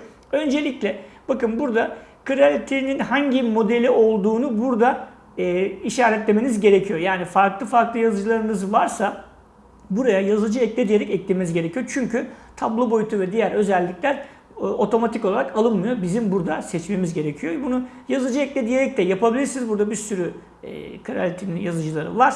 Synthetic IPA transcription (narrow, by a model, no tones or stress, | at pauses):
ø̞nd͡ʒe̞lʲiclʲɛb̥akɯnbuɾd̪akʰɯɾalʲit̪ʰeninhaɲɟimo̞d̪e̞lʲiʔo̞lˠd̪uːnubuɾd̪aː | iʃaːɾɛt̪lʲe̞me̞nizɟe̞ɾe̞cʰijo̞jaːnifaɾklˠɯfaɾklˠɯjazɯd͡ʒɯlˠaɾɯnɯzvaɾsa | buɾajajazɯd͡ʒɯɛclʲɛd̪ijeɾɛcɛclʲimenzɟe̞ɾecʰijot͡ʃʰyɲcʰyt̪ʰablˠo̞bo̞jut̪ʰuvɛd̪ijæɾø̞zɛlʲːiclʲæɾ | o̞t̪ʰo̞mat̪ʰikoaɾakalˠɯnmɯjo̞bizimbuɾd̪asɛt͡ʃme̞mizɟe̞ɾe̞cʰijobunu | jazɯd͡ʒɯɛclʲed̪ije̞ɾɛc̚t̪ʰɛjapʰabilʲiɾsinzbuɾd̪abiɾsyɾy̰ | kʰaɾa̰lʲt̪ʰininjazɯd͡ʒɯlˠaɾɯ̰vaɾ